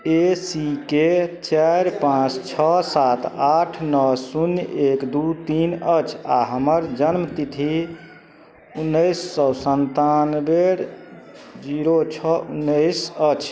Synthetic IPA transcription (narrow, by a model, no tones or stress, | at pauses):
esiket͡ʃaɾpãt͡ʃʰt͡ʃʰɔsat̪ʰaʈʰnɔsunjekd̪ut̪inət͡ʃʰa̰ɦəməɾd͡ʒənmt̪it̪ʰi | unːəjsːɔsənt̪anbeɾ | d͡ʒiɾot͡ʃʰɔunːəjsət͡ʃʰ